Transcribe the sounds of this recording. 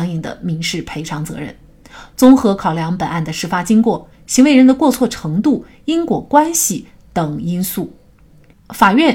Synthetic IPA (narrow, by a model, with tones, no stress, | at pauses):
ŋi˨˩ŋd̪ə̰˦˩mi˧˥ŋʂɻ̩˥˩pʰe˧˥ɪʈ͡ʂʰɑ˧˥ŋt͡sɤ̰˧˥ɻə̰˥˩n | t͡sʊ˥ŋxɤ˧˥kʰɑ˨˩ʊljɑ˧˥ŋpə˨˩na˥˩nd̪ə˩ʂɻ̩˥˩fa˥t͡ɕi˥ŋkwɔ˥˩ | ɕi˧˥ŋwe˧˥ɪɻə˧˥nd̪ə˧kwɔ˥˧t͡sʰwɔ˥˩ʈ͡ʂʰɤ˧˥ŋt̪u˥˩ | i˥nkwɔ˧˥kwa˥nɕi˨ | t̪ɤ˨˩ŋi˥nsu˥˩ | fa˨˩ɥɛ˥˩